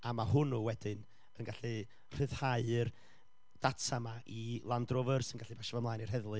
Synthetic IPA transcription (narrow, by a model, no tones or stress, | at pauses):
amahʊnuwɛdɨn | ənɡaɬi | r̥ɨðhaɨr | d̥atʰamaʔilˠandrɔvərsənɡaɬibaʃavɔmlaːjnir̥ɦɛðlˠɨ